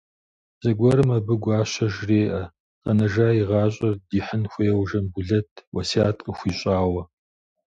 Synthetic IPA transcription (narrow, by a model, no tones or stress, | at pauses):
z̥ɐɡʷɔɾɨmɐbɨɡʷɑːɕɐʒreːʔɐ | qɐnɐʒaːjiʁɑːɕʼɐrdiːħənxʷɐjɛwʒɐmbuɮɐtʰwʔɐsiaːtʼəxʷiːɕʼaːwɐ